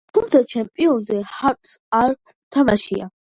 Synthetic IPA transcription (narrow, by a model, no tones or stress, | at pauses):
t̪ʰumt̪sʰat͡ʃʰɛmpʼiɔnzɛhaɾt̪ʼsaɾ | t̪ʰamaʃia̰